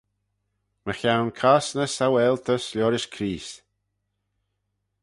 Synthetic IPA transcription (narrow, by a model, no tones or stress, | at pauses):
məxawnkʰasnəsawɛlt̪ʰəslʲɔɾɪʃkʰɾiːs